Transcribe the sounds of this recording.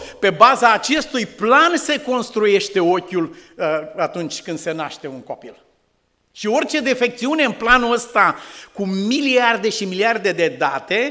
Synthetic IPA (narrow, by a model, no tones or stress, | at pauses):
pe̞bazaːt͡ʃe̞st̪ujplanse̞ko̞nst̪ɾuje̞ʃt̪e̞o̞kʲul | at̪unt͡ʃʲkɨnd̪̥se̞naʃt̪e̞unko̞pil | ʃio̞rʲt͡ʃe̞d̪e̞fe̞k̚t̪siune̞ɨnplanuəst̪akumiliard̪e̞ʃimiliard̪e̞d̪e̞d̪at̪e̞